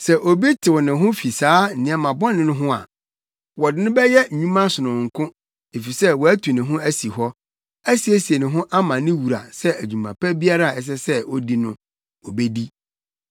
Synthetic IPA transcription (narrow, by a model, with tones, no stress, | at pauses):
sɛ˨ʔo˨bi˦tʰɪ˨wɔ˨nɪ̃˨ɦʊ̃˦fi˨saː˨˦˨nɪ̃˨ɛ˨mã˨bɔ̃˦nɪ̃˦nʊ̃˦ɦʊ̃˦a̰˨ | wɔ˨dɪ˨˦nʊ̃˦bɛ˦jɛ˦ɲ̩˨ɲũ˦mã˦sʊ˨nʊ̃˨ŋ̩˨kʰʊ̃˦ | e˨fi˨sɛ˦wɔ˨æ˦tʰu˨nɪ̃˨ɦʊ̃˦æ˦si˨ɦɔ˦ | æ˦si˨æ˦si˨e˨nɪ̃˨ɦʊ̃˦ʔa˦mã˨nɪ̃˦wu˨ɾa̰˨sɛ˦æ˨d͡ʑᶣũ˨mã̰˨pʰɛ˦bi˦a˦ɾa˦˨ɛ˨s̬ɛ˦sɛ˦ɔ˦di˦nʊ̃˦ | ɔ˨be˦di˦